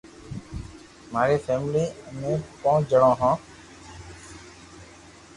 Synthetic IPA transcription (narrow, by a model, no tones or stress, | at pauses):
maːɾiːfeːmliːmẽːkõːd͡ʒəɽãːɦãː